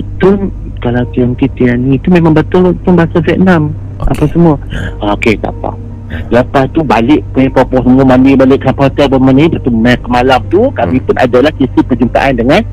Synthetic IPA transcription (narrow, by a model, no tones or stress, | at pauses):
t̪ʊn | kalawt̪iaŋk̪it̪ianĩːt̪umẽmãŋbət̪ʊlt̪ʊnbaɦasaviɛt̪̚nam | a̰pasəmuaoket̪a̰pa̰ | dapaht̪ubalɪʔpepɔpɔsəmuamanibalɪʔsapat̪albəmanaipat̪umɛkəmalamt̪ukamĩpʊnʔa̰dalahkisipəd͡ʒumt̪a̰ʔandəŋan